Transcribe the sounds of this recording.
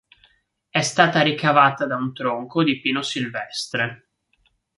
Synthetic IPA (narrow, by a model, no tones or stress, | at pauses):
ɛst̪aːt̪aɾikavaːt̪ad̪aunt̪ɾoŋkod̪ipiːnosilvɛst̪ɾe